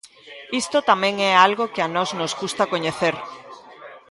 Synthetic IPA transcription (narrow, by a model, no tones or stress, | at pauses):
ist̪ot̪amɛ̃ŋɛalɣokɪanɔznozɣust̪akoɲeθeɾ